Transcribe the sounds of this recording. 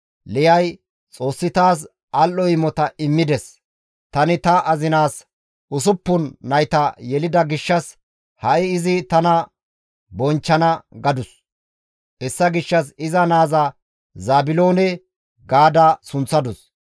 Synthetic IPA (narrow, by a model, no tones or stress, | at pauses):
lɪjɐj | t͡sʼo̞ːsːɪt̪aːs̬ | ʔɐlʔɔɪmːɔt̪ɐʔɪmːɪd̪ɛs | t̪ɐnɪt̪ɐʔɐzɪnaːs | ʊs̬ʊpːʊnːɐjt̪ɐjɛlɪd̪ɐɡɪʃːɐs | hɐʔɪːzɪt̪ɐnɐ | bɔnt͡ʃːɐnɐɡɐd̪ʊs | ɛsːɐɡɪʃːɐs̬ɪzɐnaːzɐ | zaːbɪlo̞ːnɛ | ɡaːd̪ɐsʊnt͡sːɐd̪ʊs